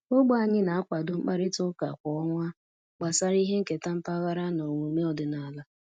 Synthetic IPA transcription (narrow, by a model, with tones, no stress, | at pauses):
ʊ˦ɡ͡bʊ˦a˨ɲɪ˦na˨a˦kʷa˨dʊ˦ŋ͡m̩˦k͡pa˦ɾɪ˦tʊ˦ka̰˨kʷɔ˨ɔ˦ŋʷa˦ | k͡pa˨sa˦ɾi˦ɦe˦ŋ̩˦˨ke˨ta˦m̩˦pa˦ɣa˦ɾa˦no˨ŋʷu˨me˦ɔ˨dɪ˨na˨la˦